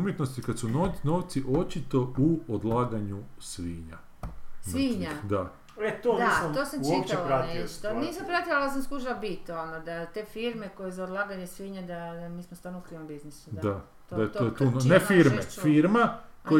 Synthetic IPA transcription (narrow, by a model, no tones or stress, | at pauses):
umjet̪nost̪ikad̪sunonoːʋt̪siʔo̞t͡ʃit̪o̞uod̪lˠaːɡaɲusʋiːɲa̰ | sʋiɲad̪a | et̪ond̪aisamoːsamt͡ʃipt͡ʃ̪elpɾant̪eiʃt̪oniːsampɾat̪ialas̬amskuʒaabit̪onod̪at̪eːfiɾmeko̞jezaod̪lˠaːɡaɲesʋiːɲad̪amiːsmost̪aːɾnukɾiːʋambiznisud̪a | d̪ajt̪ot̪onnefiɾmefiɾmakoj